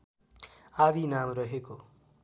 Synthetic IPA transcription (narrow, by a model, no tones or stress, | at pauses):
abinamrʌɦeko